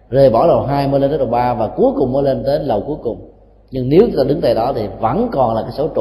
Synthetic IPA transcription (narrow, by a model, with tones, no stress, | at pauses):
ze˨˩jɓɔ˧˩lə˨˩wɦaː˧jməː˨˦le˧nt̪ə˨˦ɗə˨˩wɓaː˧vaː˨˩ku˨˦əjkʊ˨˩ŋ͡mmə˨˦jle˧nt̪e˨˦lə˨˩wku˨˦əjkʊ˨˩ŋ͡m | ɲɨ˧ŋne˨˦wu˦t̪aː˧ɗɨ˨˦ŋt̪a̰ː˧˨jɗɔ˨˦t̪ʰi˨˩və̰˧˥˩nkɔ˨˩nlaː˨˩kaː˨˦jso˨˦wt͡ɕʊ̰˧˨